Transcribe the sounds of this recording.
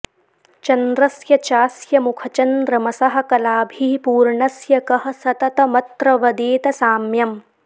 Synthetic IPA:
t͡ʃɐnd̪ɾɐsjɐt͡ʃaːsjɐmukʰɐt͡ʃɐnd̪ɾɐmɐsɐɦɐ̆kɐlaːbʱiːpuːɾɳɐsjɐkɐɦɐ̆sɐt̪ɐt̪ɐmɐt̪ɾɐʋɐd̪eːt̪ɐsaːmjɐm

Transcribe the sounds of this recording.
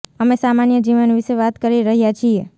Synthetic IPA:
əmesamanjəd͡ʒiʋənʋiʃeʋat̪kəɾiɾəɦjat͡ʃʰie

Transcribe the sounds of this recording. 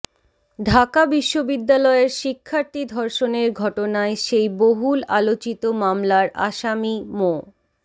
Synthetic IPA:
ɖʱakabiʃːobid̪ːalɔeɾʃikʰːaɾt̪id̪ʱɔɾʃoneɾɡʱɔʈonaeʃejboɦulalot͡ɕit̪omamlaɾa̰ʃamimo

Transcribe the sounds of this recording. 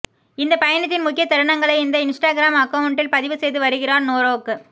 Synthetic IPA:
ɪnd̪ɐpɐjɐnɐt̪̬ːɪnmʊkːɪjɐt̪ːɐɽɯɳɐŋɡɐɭɐɪɪnd̪ɐɪnsʈaːɡɪɾaːmɐkːɐʋɐɳʈːɪlpɐðɪʋɯsɛjðɯʋɐɾɯɣɪraːɾnoːɾoːkːɯ

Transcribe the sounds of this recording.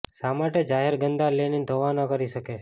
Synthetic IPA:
samaʈed͡ʒaɦeɾɡənd̪alenid̪ʱoʋanəkəɾiʃəke

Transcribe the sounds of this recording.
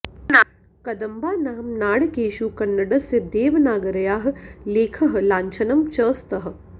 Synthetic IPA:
n | kɐd̪ɐmbaːnaːɐmnaːɽkeːʃukɐnːɐɽɐsjɐd̪eːʋnaːɡɐɾɐjaːɦ̆leːkʰɐɦlãːɲt͡ʃʰɐnɐmt͡ʃɐːst̪ɐɦɐ̆

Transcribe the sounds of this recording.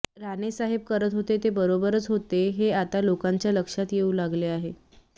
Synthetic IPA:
ɾanesaɦeb̚kəɾət̪ɦot̪et̪ebəɾobəɾət͡sɦot̪eɦeat̪alokaɲt͡ɕjaləkʂat̪jeulaɡleaɦe

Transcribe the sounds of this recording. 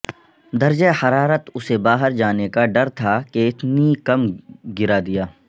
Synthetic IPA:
d̪ɐɾd͡ʒehɐɾaːɾət̪ʊsebaːɦəɾd͡ʒaːnekaɖɐɾt̪ʰakeɪt̪nikɐmɡɪɾad̪ijaː

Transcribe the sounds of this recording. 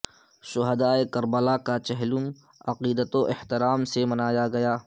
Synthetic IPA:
ʃʊɦəd̪aːekɐɾbəlakat͡ʃɛɦlʊm | ɐqiːd̪ət̪oʔɪht̪ɪɾaːmsemɐnaːjaɡɐjaː

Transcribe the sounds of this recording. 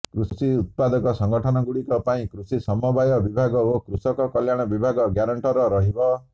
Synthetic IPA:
kɾususiut̪̚pad̪ɔkɔsɔŋɡɔʈʰɔnɔɡuɽikɔpaĩkɾusisɔmɔbajɔbibʱaɡɔokɾusɔkɔkɔljaɽ̃ɔbibʱaɡɔɡjaɾɔɳʈɔɾɔɾɔɦibɔ

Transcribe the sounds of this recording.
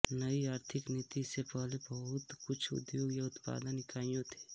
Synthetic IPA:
nəiaːɾt̪ʰɪknit̪isepɛɦlebɐɦʊt̪kʊt͡ʃʰʊ̰d̪joːɡjaʊt̪pa̰ːd̪ə̃nɪkaːijõt̪ʰe̥ː

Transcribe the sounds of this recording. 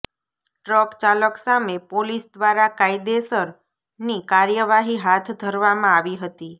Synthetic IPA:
ʈɾɔkt͡ʃaləksamepolisd̪ʋaɾakaid̪esəɾ | nikaɾjəʋaɦiɦat̪ʰd̪ʱəɾʋamãaʋiɦət̪i

